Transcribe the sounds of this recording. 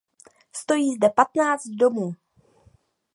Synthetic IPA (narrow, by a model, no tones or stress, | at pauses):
st̪o̞jiːzdɛpat̪naːt͡st̪̚do̞muː